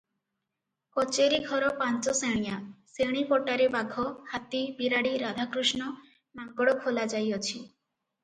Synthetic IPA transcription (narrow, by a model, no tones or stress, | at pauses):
kɔt͡ʃeɾiɡʱɔɾɔpant͡ʃɔseɽ̃ijaseɽ̃ipɔʈaɾebaɡʱɔhat̪ibiɾaɽiɾad̪ʱakɾuʃnɔ | maŋɡɔɽɔkʰolad͡ʒajɔt͡ʃʰi